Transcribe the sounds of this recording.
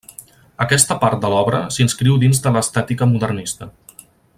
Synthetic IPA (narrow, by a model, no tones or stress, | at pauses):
əkɛst̪əpaɾt̪̚d̪əlɔβɾə̰sinskɾiwd̪inzd̪ələːst̪at̪ikəmuðərnist̪ə